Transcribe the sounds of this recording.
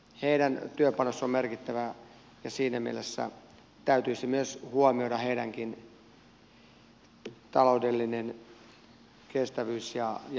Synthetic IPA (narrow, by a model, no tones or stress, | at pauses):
heidænt̪yøpɑnosːommerkit̪ːæʋæ | jɑsiːnæmḭelesːæ̰ | t̪æyt̪yisimyøshuomiodɑheidæŋkin | t̪ɑloudelːinen | kest̪æʋyːsjɑj